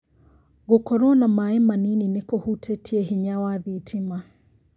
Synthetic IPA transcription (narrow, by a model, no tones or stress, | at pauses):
ɣokɔɾoɔnamaɛmanininekohutʰɛtʰiɛɦiɲawaðitʰima